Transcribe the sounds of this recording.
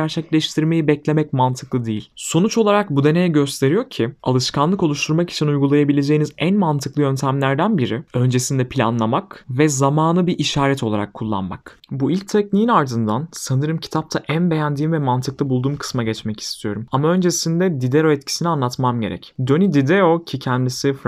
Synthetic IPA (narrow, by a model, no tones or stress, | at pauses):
æɾt͡ʃʰɛclʲɛʃt̪ʰiɾme̞jibɛclʲe̞mɛcmant̪ʰɯ̥klˠɯd̪ejilʲso̞nut͡ʃo̞lˠaɾak̚bud̪e̞ne̞jɛɟø̞st̪ʰe̞ɾijo̞ɾcʰia̰lˠɯʃkʰanlˠɯko̞lˠuʃt̪ʰuɾmaki̥t͡ʃʰinujɡulˠajabilʲe̞d͡ʒe̞jinizænmant̪ʰɯklˠɯjø̞nt̪ʰæmlʲæɾd̪ænbiɾiø̞nd͡ʒe̞sind̪ɛpʰilʲa̰nlˠamakvɛzamaːnɯbiʔiʃaːɾɛt̪ʰo̞lˠaɾa̰kʰːulˠːa̰nma̰k | builʲc̚t̪ʰɛcnijinaɾd̪ɯnd̪ansanɯɾɯmcʰi̥t̪ʰap̚t̪ʰaʔænbe̞jænd̪iːmvɛmant̪ʰɯklˠɯbulˠd̪uːmkʰɯ̥smaɟɛt͡ʃmɛci̥st̪ʰijo̞ɾumamaø̞nd͡ʒe̞sind̪ɛd̪id̪e̞ɾo̞ɛt̪cʰi̥sinianˠat̪mamɟe̞ɾɛ̰cd̪ø̞nid̪id̪eɾo̞cʰicʰɛnd̪isif